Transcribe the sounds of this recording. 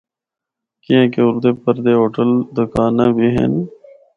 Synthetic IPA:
kiẽːkeʊɾd̪eːpəɾd̪eːɦoːʈəld̪ʊkaːnaːbʱiːɦḛn

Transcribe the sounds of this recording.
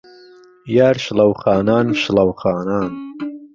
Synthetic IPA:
jaːɾʃlɐwχaːnaːnʃlɐwχaːnaːn

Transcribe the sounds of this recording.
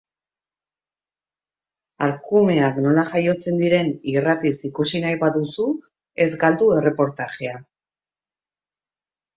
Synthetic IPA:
aɾkume̞akno̞laʝajo̞t͡se̞nd̪iɾe̞nirat̪isikusinajβaðusu | e̞zɡald̪ue̞re̞po̞ɾt̪aʝe̞a

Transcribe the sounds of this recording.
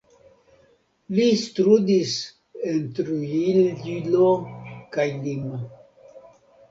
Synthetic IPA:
listɾud̪is | ent̪ɾuillokajlima

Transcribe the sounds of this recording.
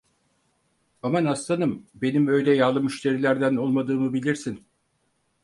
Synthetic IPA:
amanast̪anɯmbe̞nimøjd̪ʲɛjaːlˠɯmyʃt̪ʰe̞ɾilʲæɾd̪æno̞lˠmad̪ɯːmɯbilʲiɾsin

